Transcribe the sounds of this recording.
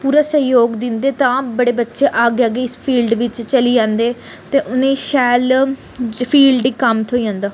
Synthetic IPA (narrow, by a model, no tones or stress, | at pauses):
puːɾaːsəjoːɡd̪ɪnd̪eːt̪ãːbəɽeːbətːʃeːʔaːɡaːɡeːspʰiːlɖʋɪt͡ʃt͡ʃəliːd͡ʒãːnd̪eːt̪eːʔʊnẽːʃɛːl | pʰiːlɖikəmt̪ʰoːiːd͡ʒãːnd̪aː